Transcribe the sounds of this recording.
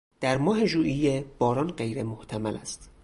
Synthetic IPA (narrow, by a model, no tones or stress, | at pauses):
d̪̥æɾmɒːɦe̞ʒuːʔijeb̥ɒːɾɒːnɢe̞jɾemoht̪ʰæmælæ̰st̪